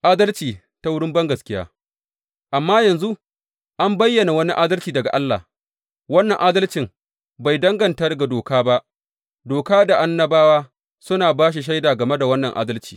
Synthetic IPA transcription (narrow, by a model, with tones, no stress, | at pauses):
ʔaː˦dɐ˦lt͡ʃiː˨ | ta˦wʊ˦ɽɪ˦mbɐ˦ŋɡɐ˨skʲɪ˦ja̰ː˦ | ʔa˨mːaː˦jɐ˨nzu˦ʔ | ʔa˦mbɐ˦jːɐ˨na˨wɐ˦ni˦ʔaː˦dɐ˦lt͡ʃiː˨dɐ˨ɡa̰˨ʔa˦lːa̰˨ | wɐ˦nːɐ˨ŋʔaː˦dɐ˦lt͡ʃɪ˨ŋ | ba˨jdɐ˦ŋɡɐ˨ntɐ˦rɡa˨doː˨kaː˦ba˦ʔ | doː˨kaː˦da˨ʔa˦nːɐ˦baː˦waː˦ | sʊ˦naː˨baː˦ʃ̬i˨ʃ̬a˦jdaː˨ɡɐ˨me˦da˨wɐ˦nːɐ˨ŋʔa̰ː˦dɐ˦lt͡ʃi̥ː˨